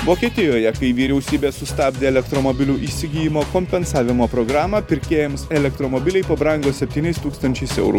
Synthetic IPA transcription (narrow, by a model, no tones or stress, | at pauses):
ʋoːkʲiːt̪ʲɪjoːjɛkɐɪʋʲiːɾʲɛʊsʲiːbʲeːsʊst̪ɑːbʲd̪ʲeːɛlʲɛkt̪ɾomobʲɪlʲuːʔiːsʲɪɡʲiːjɪmoːkɔːmʲpʲɛnsɑːʋʲɪmoːpɾɔːɡɾɑːmɐpʲɪɾʲkʲeːjɛmsɛlʲɛk̚t̪ɾomɔbʲɪlʲɛɪpɐbɾɐŋɡoːsʲɛpʲt̪ʲiːnʲɛɪst̪uːkst̪ɐnʲt͡ʃʲɛɪsɛ̰ʊɾṵ